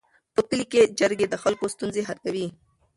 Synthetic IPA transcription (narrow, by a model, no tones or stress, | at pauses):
pəpiliked͡ʒɐɾɡed̪əxalkost̪unzeɦaɾkawi